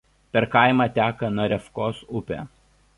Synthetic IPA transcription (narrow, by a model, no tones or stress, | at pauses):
pʲɛɾkɐˑɪmɑːt̪ʲæːkɐnɐɾʲɛfkoːsʊpʲḛ